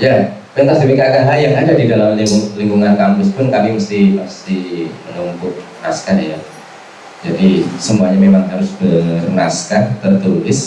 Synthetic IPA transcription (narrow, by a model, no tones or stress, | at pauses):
japɾint̪asdimikakanɦajaŋadadidalamliŋɡuŋliŋɡuŋankampʊspʊnkamiməst̪ɪhməst̪ɪhmənumkʊk̚ | naskaja | d͡ʒadisəmuaɲamemaŋɦaɾʊsbərnaskat̪ərt̪ulɪs